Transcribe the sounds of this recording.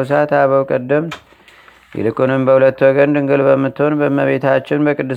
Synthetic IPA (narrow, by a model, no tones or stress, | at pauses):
s̬at̪aβəwkʼəd̪ːəm | jɪ̰lɨkʼunɨmbəhulət̪ːwɔɡənd̪ɨŋɡɨlbəmːɨt̪ːho̞nbəməβe̞t̪ʰat͡ʃːɪnbəkʼɨd̪ːɨ